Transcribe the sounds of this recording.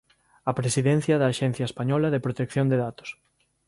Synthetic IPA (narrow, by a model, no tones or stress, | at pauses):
ɐpɾesiðɛn̟θjɐðɐːʃɛn̟θjɐespaɲɔlɐðepɾot̪ekθjond̪eðat̪o̥s